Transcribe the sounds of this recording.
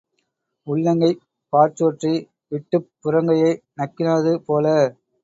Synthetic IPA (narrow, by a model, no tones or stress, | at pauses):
ʊɭːɐŋɡɐɪ | paːɾt͡ʃoːʈri | ʋɪʈːɯpːʊɾɐŋɡɐjɐɪnɐkːɪnaːðɯpoːlɐ